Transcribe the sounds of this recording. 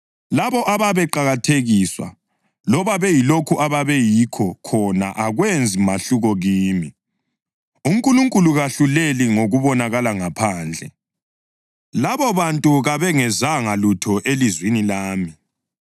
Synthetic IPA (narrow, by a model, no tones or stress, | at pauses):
laβɔʔaβaβɛǃaɣatʰeɣiswa̰ | lɔβaβɛjilokʰuʔaβaβɛjikʰɔkʰɔna̰ʔaɣwend͡zʱimaɬuɣɔɣiːmi | uŋkʼuluŋkʼuluɣaɬuleliŋoɣuβɔnaɣalaŋapʰaːnd͡ɮʱɛ̰ | laβɔβantʼuɣaβɛŋɛzaŋalutʰɔʔelizwinilaːmi